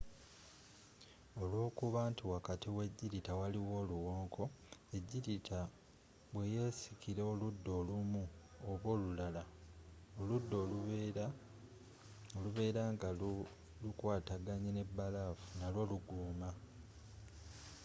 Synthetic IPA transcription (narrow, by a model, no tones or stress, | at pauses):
o̞lwo̞ːkuβaːntiwakatiwe̞ɟːiɾitawaliwo̞ːluwo̞ːŋkʰo̞e̞ɟːiɾitʰa | βwe̞je̞ːsikiɾe̞oludːo̞ːlumu | oβwo̞ːlulala | oludːo̞ | oluβe̞ːɾaːŋɡa | lukwaːtaɡaɲene̞bːalafunalwo̞ːluɡuːma